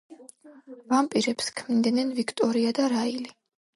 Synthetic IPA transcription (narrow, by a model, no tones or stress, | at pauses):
vampʼiɾɛpskʰmid̪nɛnvikʰt̪ʼɔɾiad̪aɾaili